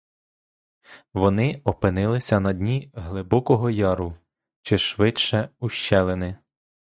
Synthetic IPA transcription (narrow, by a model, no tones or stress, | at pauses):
ʋɔnɪɔpɪnɪlˠɪsʲɐnɐdʲnʲiɦlˠɪbɔkɔɦɔjɑɾʊ | t͡ʃɪʃʋɪt͡ʃɛuʃt͡ʃɛlˠenɪ